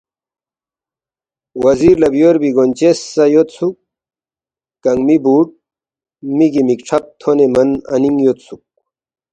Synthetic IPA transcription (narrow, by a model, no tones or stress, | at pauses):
wɐziɾlɐbjoːɾbiɡont͡ɕesːɐjot̪sʰuk̚ | kɐŋɡmibuːʈ̚ | miɡimikʈ͡ʂʰɐp̚t̪ʰonemɐnɐ̰niŋjot̪suk̚